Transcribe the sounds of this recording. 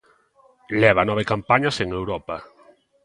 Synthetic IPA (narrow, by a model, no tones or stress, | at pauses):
lɛβanɔβ̞ekampaɲaseŋewɾɔpa